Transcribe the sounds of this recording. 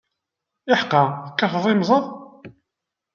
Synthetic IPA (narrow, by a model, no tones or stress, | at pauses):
ɪħqːɑθəkːɑfəðˤimzˤɑðˤ